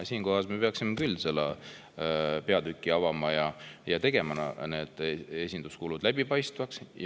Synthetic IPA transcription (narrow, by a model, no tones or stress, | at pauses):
siːnko̞ɦɑsme̞pe̞ɑksimekylʲːselːɑ̰ | pe̞ɑd̪ykːˑiɑvɑmɑjɑjɑt̪e̞ɡ̥e̞mɑnɑ̰ne̞d̪̥e̞sʲind̪uskulud̪̥læb̥ipɑjst̪vɑksj